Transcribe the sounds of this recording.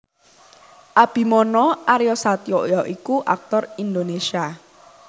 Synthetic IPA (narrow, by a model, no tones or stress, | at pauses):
ʔab̥i̤mɔnɔʔaɾjɔsat̪ioʔjɔʔikuʔa̰k̚t̪ɔrind̪onesia